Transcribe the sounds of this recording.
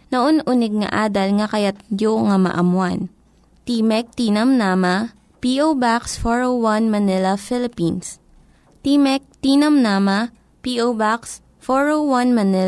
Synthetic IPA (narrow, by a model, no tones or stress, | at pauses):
noʔonʔunɪɡ̚ŋɐ̰ʔaːd̪ɐlŋɐkɐjat̪̚d̪joʔŋɐmɐ̰ʔɐmwan | t̪iːmɛk̚t̪iːnɐmnamɐ | piʔowbaksfoɹowwanmɐnɪlɐfɪlɪpins | t̪imɛk̚t̪iːnɐmnama | piʔowbaks | foɹowwɐnmɐnɪ